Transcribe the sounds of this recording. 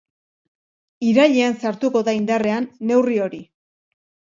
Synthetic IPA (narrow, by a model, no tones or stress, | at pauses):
iɾaʎeansaɾt̪uko̞ðaind̪are̞anːe̞wrio̞ɾi